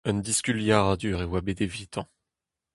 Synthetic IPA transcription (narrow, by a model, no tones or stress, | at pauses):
ənd̪iskʲyljaʁad̪yʁewabed̪evit̪ʰɑ̃